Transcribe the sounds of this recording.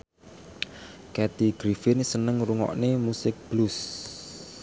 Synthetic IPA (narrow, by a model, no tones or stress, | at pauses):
kɛt̪iɡ̥ɾifɪnsənəŋɾuŋɔ̰ʔnemusɪk̚b̥lus